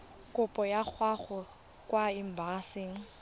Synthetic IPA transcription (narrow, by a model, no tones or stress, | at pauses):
kʼʊpʼɔjak͡xʰwaχɔ | kʼwaim̩basɪːŋ̩